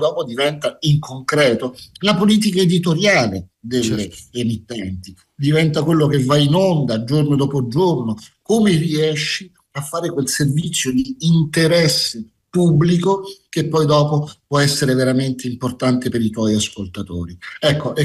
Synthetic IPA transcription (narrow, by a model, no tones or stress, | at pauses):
d̪ɔːpod̪ivɛnt̪aiŋkʰoŋkɾɛːt̪olapoliːt̪̬ikaed̪it̪oɾjaːled̪elːeːmit̪ːɛnt̪i | d̪ivɛnt̪akwelːok̟evajinond̪ad͡ʒornod̪ɔːpod͡ʒornokomeriɛʃːi | afːaːɾekwelservit̪sːjod̪iːnt̪eɾɛsːe | pubːlikok̟epːɔjd̪ɔːpopwɔɛsːeɾeveɾament̪eimport̪ant̪epeɾit̪wɔjaskolt̪at̪o̰ːɾiɛkʰːoʔɛ